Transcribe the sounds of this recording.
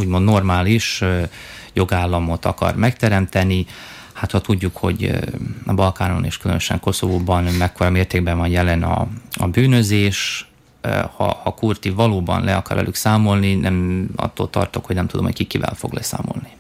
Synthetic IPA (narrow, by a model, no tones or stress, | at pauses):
uːɟmo̞nd̪no̞rmaːliʃ | jo̞ɡaːlːɒmo̞t̪ɒkɒ̰rmɛkt̪ɛɾɛmt̪ɛni | hat̪hɒt̪uɟːukho̞̰ɟ | bɒlkaːno̰nḛːʃkylø̰nøʃɛ̰ŋko̞so̞voːbɒnmɛkːoɾɒmeːrt̪eːɡ̚bɛɱvɒnjɛlɛnɒ̰ɒbyːnøzeːʃ | hɒ̰hɒkurt̪ivɒloːbɒ̰nlʔɛɒkɒɾɛ̰lyksaːmo̞lninʔɛmɒ̰t̪ːo̰ːlt̪ɒ̰rt̪okhoɟnɛmt̪ud̪o̞mhoc̚kikːivɛ̰lfo̰ɡlʔɛ̰sa̰ːmo̞̰lni